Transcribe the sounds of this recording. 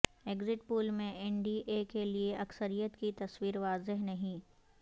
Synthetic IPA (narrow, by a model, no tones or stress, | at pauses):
eːɡzɪʈ̚puːlmẽɛɳɖiːʔekelieʔɐksəɾijət̪kit̪ɐswiːɾʋaːzɪɦnɐɦĩː